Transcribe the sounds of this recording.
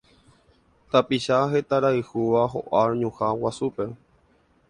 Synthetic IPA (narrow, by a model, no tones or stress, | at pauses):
t̪apiʃaɦe̞t̪aɾaɨhuʋaɦo̰ʔaɾɲũhawasupe̞